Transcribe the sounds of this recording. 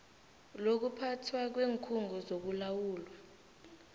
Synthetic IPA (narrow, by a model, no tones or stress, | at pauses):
lok̬upʰatʰwak̬weːŋkʰuŋɡʱɔzok̬ulawuːlwa